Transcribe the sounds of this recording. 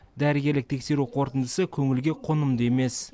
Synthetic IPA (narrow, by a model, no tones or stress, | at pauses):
d̪æɾɪɡʲe̞ɾlɪk̚t̪ʰe̞kʲse̞ɾuqʰoɾt̪ənd̪əsəkʲʰɵŋɪlɡʲe̞qʰonəmd̪əeme̞s